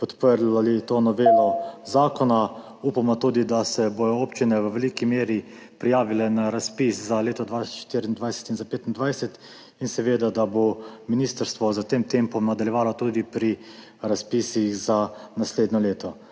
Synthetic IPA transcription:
pɔt̪pəɾlalit̪oːnɔʋeːlɔzaːkɔna | upamɔt̪ud̪id̪asɛbojɔoːpt͡ʃinɛʋəʋɛlikimeːɾi | pɾijaːʋilɛnaɾaspiszaleːt̪ɔd̪ʋasʃt̪iɾind̪ʋajsɛ̥t̪inzapeːt̪ind̪ʋajsɛt̪ | insɛʋeːd̪ad̪abominiːst̪əɾst̪ʋɔzat̪eːmt̪empɔmnad̪aljɛʋaːlɔt̪ud̪ipɾi | ɾaspisixzanasleːd̪nɔleːt̪ɔ

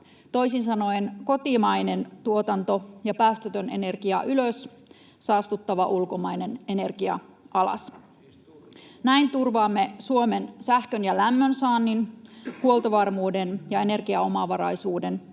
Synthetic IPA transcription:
t̪o̞isinsɑno̞jnko̞t̪imɑjne̞nt̪uot̪ɑnt̪o̞jɑpæːst̪øt̪øne̞ne̞rkiɑʔyløs | sɑːst̪ut̪ːɑʋɑʔulkomɑjnene̞ne̞rɡ̥iɑ̰ | ɑlɑ̰s | næint̪urʋɑːmːe̞suomensæhkønjɑlæmːønsɑːnːinhuolˠt̪oʋɑrmuːde̞njɑe̞ne̞rɡiɑo̞mɑʋɑɾɑjsuːden

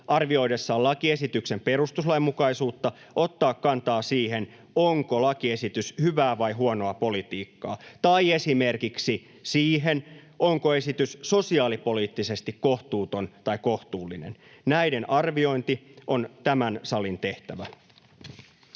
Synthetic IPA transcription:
ʔɑrʋio̞jdesːɑːlɑkie̞sit̪ykse̞mperust̪uslɑjmːukɑisuːt̪ːɑ | ʔo̞t̪ːɑːkːɑnt̪ɑːsiːɦe̞n | oŋkolɑkie̞sit̪yshyʋæːʋɑjɦuono̞ɑpo̞lit̪iːkːɑːt̪ɑije̞sime̞rkiksi | siːɦen | oŋkoe̞sit̪yssosiɑːlipo̞liːt̪ːise̞st̪ikko̞ht̪uːt̪o̞nt̪ɑiko̞ht̪uːlːinḛn | næide̞nɑrʋio̞int̪iʔo̞nt̪æmænsɑlint̪e̞ht̪æʋæ

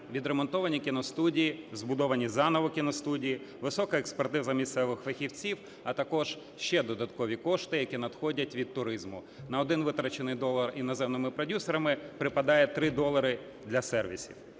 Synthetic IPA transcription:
ʋʲid̪ɾemɔnt̪ɔʋɐnʲikʲinɔst̪udʲijizbʊd̪ɔʋɐnʲizɑnɔʋɔkʲinɔst̪udʲiji | ʋɪsɔkɐɛkspɐrt̪ɪzɐmʲist̪sɛʋɪxfɐxʲiwt͡sʲiw | ɐt̪ɐkɔʒ̥ | ʃt͡ʃɛd̪ɔd̪ɐt̪kɔʋʲikɔʃt̪ɪjɐkʲinɐd̪xɔdʲɐtʲʋʲid̪̚t̪ʊɾɪzmʊ | nɐɔd̪ɪnʋɪt̪ɾɐt͡ʃenɪjd̪ɔlˠːɐrinɔzɛmnɪmɪpɾɔdʲusɔɾɐmɪpɾɪpɐd̪ɑjɛt̪ɾɪd̪ɔlˠɐɾɪ | d̪lʲɐsɛrʋʲḭsʲḭw

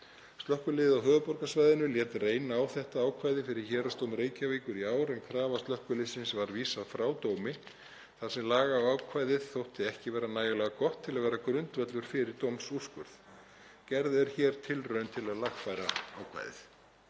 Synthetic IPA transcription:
st̪lœhkʏlɪːðɪawɦœːvʏpɔɾkasvajðɪnʏljɛːt̪reːjnaːwθɛht̪aaːwkʰvajðɪfɪɾɪɾ̥çɛːɾast̪owmɾeːjcaviːkʏɾiaːwɾɛnkʰɾaːvast̪lœhkʏlɪsɪnsvaɾviːsaðfɾaːwt̪oːwmɪ | θasɛmlaːɣaːwaːwkʰvajðɪðθowht̪ɪɛhcɪvɛːɾanaːjʏlɛːɣakɔht̪ʰːɪlaðvɛːɾakɾʏnt̪vœt̪lʏɾ̥fɪɾɪɾ̥t̪owmsuskʏɾθ | cɛɾðɛɾ̥çɛːɾ̥t̪ʰɪlrœɥnt̪ʰɪlaðlaxfajɾa̰a̰ːwkʰva̰jðɪ̰θ

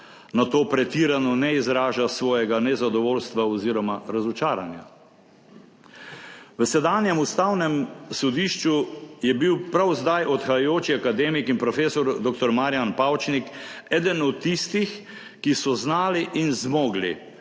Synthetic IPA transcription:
nat̪oːpɾɛt̪iːɾanɔnɛizɾaːʒasʋɔːjɛɡanɛzad̪ɔʋoːlst̪ʋaɔziːɾɔmaɾazɔt͡ʃaːɾanja̰ | ʋəsɛd̪aːnjɛmust̪awnɛmsɔd̪iʃt͡ʃujɛbiwpɾawzd̪ajʔɔt̪xajajoːt͡ʃiakad̪eːmikinpɾɔfeːsɔɾd̪oːk̚t̪ɔɾmaːɾijanpawt͡ʃnikɛːd̪ənɔt̪ːist̪ix | kisɔznaːliʔinzmoːɡlḭ

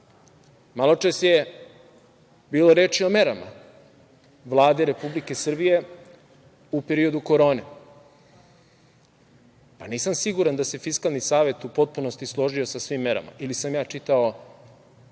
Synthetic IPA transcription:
malˠo̞t͡ʂesje | biːlo̞ɾeːt͡ʃiome̞ɾama̰ | ʋlˠaːd̪eɾe̞publike̞sr̩bije̞ | upe̞ɾio̞d̪uko̞ɾo̞ːne | paniːsamsiɡuɾand̪ase̞fiskalˠnisaːʋe̞t̪upo̞t̪̚puno̞st̪islˠo̞ʒio̞sasʋimːe̞ɾa̰ma̰ʔilisamjaːt͡ʂit̪ao̞

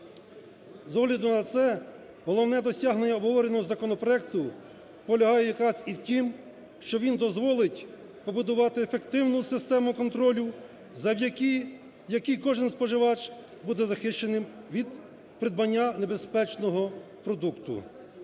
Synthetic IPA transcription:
zɔɦlʲɐd̪ʊnɐt̪sɛ | ɦɔlˠɔwnɛd̪ɔsʲaɦnenʲːɐɔbɦɔʋɔɾenɔɦɔzɐkɔnɔpɾɔɛk̚t̪ʊ | pɔlʲɐɦɑjɛjɐkɾɑziwtʲim | ʃt͡ʃɔʋʲind̪ɔzʋɔlˠɪtʲ | pɔbʊd̪ʊʋɑt̪ɪefekt̪ɪwnʊsɪst̪ɛmʊkɔnt̪ɾɔlʲʊ | zɐ | jɐkijkɔʒɪnspɔʒɪʋɑt͡ʃ | bud̪ɛzɐxɪʃt͡ʃenɪmʋʲid̪ | pɾɪd̪̚bɐnʲːane̞bespɛt͡ʃnɔɦɔ | pɾɔd̪ukt̪ʊ̰

